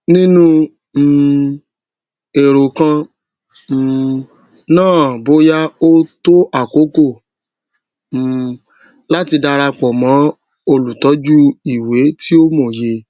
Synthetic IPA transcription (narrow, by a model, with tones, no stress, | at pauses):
nĩ˦nũ˦˨ | e˨ɾo˨kã˧˨ | nãː˦˨bo˦ja˦o˦to˦ʔa˦˨ko˨˦ko˦˨ | la˦ti˧da˧ɾa˧k͡pɔ˨mã˨˦ | o˧lu˨tɔ˨˦d͡ʒu˦i˨we˨˦ti˦o˦mo˦˨je˧